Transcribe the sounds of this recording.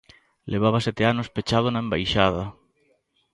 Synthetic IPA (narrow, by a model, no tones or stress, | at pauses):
lʔeβ̞aβasɛt̪eanospet͡ʃaðonaembajʃaðɐ